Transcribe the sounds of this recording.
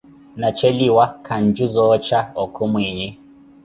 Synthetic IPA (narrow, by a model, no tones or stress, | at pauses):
nat͡ʃɛliwakʰand͡ʒuzɔt͡ʃaɔkʰɔmwɛɲɛ